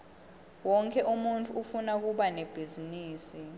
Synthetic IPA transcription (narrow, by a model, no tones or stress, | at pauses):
wɔŋkʰʼɛʔumuntʰʼuːfunak̬uɓaneb̥ʱiziniːsi